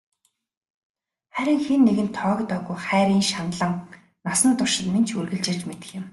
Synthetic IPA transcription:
χæɾʲɪ̆ŋxinːeɣɘ̆nt̪ʰɔːkt̪p̪œːɣujχæːɾʲiːŋʃanɮə̆ŋ | nasə̆nt̪ʊrʃɪ̆t̪ment͡ɕʰurɣɘ̆ɮt͡ɕɪ̆rt͡ɕmet̪ɘ̥̆xɪ̆m

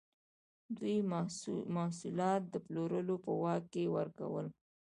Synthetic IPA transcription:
d̪wuj | mɑhsulɑt̪̚d̪əploɾəlopəwɑkːewəɾka̰wəl

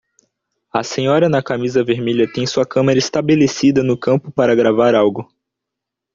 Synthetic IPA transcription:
ɐsẽɲɔɾɐnɐkamizɐveɾmeʎɐt̪ẽj̃suɐkɐ̃mɐɾɐɪst̪abelesid̪ɐnʊkɐ̃mpʊpaɾɐɡɾavaɾawɡʊ

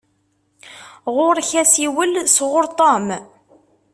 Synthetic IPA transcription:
ʁʊɾˤçæsiwəlsʁʊɾt̪ˤɑm

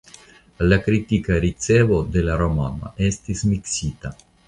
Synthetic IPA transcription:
lakɾit̪ikaɾit̪sɛvod̪elaɾoma̰na̰ɛst̪ismiksiːt̪a

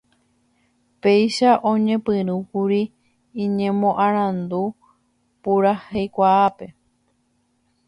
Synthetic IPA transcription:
pe̞jʃaʔõ̞ɲẽ̞pɨ̃ɾukuɾĩː | ɲẽmõ̞ʔãɾ̃ãnd̪u | puɾahejkʷaape̞

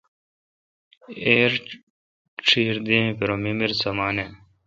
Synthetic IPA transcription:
eːɾ | ʈ͡ʂʰiːɾd̪ĩẽpeɾomimiɾsɐmaːne

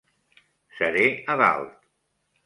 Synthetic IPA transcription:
səɾeəβa̰lˠt̪

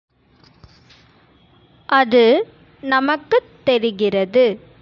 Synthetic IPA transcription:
ʔɐðɯ | nɐmɐkːɯt̪ːɛɾɪɣɪrɐðɯ

